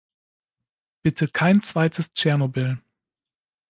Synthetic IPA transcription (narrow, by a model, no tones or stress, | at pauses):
b̥ɪtʰəkʰaɪnt͡sv̥aɪtʰəst͡ʃɛɐnobɪl